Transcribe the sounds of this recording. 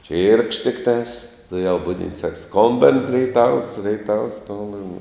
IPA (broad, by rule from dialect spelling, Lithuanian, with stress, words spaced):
t͡ʃʲiːrkʃt tʲɪkˈtɑːs tʊˈjɛʊ ˈbʊdʲɪnt sɐk ˈskoːmʲbʲɪn rʲɛɪˈtɐws rʲɛɪˈtɐws ˈskoːmʲbʲɪn